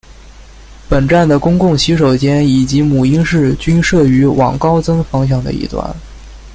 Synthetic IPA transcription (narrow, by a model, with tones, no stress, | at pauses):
pə˨˩nʈ͡ʂa˥˩nd̪ə˩kʊ˥ŋkʊ˥˩ŋɕi˧˥ʂ̬o˨˩ʊt͡ɕjɛ˥ni˨˩t͡ɕi˧˥mu˨˩i˥ŋʂɻ̩˥˩t͡ɕy˥nʂɤ˥˩y˧˥wʔɑ̰˨˩ŋkɑ˥ʊt͡sɤ˥ŋfɑ˧˥ŋɕ̬jɑ˨˩ŋd̪ə̰˧ḭ˥˩t̪wa̰˥˩n